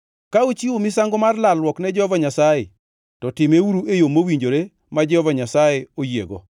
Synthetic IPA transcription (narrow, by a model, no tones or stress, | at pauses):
kaut͡ʃiomɪsaŋɡomarlalwɔknɛd͡ʒɛhɔvaɲasaje | tɔtɪmewuɾuʔejomowiɲd͡ʒoɾe | mad͡ʒɛhɔvaɲasajeojḛɡo̰